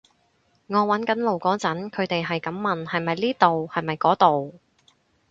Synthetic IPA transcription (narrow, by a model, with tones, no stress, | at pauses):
ŋɔː˨˧wɐ˨˥nkɐ˨˥nlo˨wkɔː˨˥t͡sɐ˨˥nkʰɵ˨˧ɥt̪e˨jɦɐ˨jkɐ˨˥mːɐ˨nhɐ˨jmɐ˨jliː˥t̪o˨whɐ˨jmɐ˨jkɔː˨˥t̪o˨w